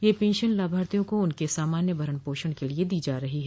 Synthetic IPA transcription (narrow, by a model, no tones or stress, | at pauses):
jeːpẽːnʃənlaːbʱaːɾt̪ijõkoʊnkesaːmaːnjəbʱɐɾənpoːʃəɽ̃kelied̪iːd͡ʒaːɾɐɦiɦɛː